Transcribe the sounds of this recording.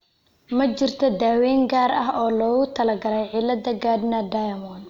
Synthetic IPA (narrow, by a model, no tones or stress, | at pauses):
mɐt͡ʃɪrt̪ʰɔd̪aːwɛːŋɡaːɾɐɦɔːlɔːɣʊt̪ʰɐlɐɡɐɾɛjʕɪlːɐd̪ɐɡaːd̪nɐd̪ajɐmɔn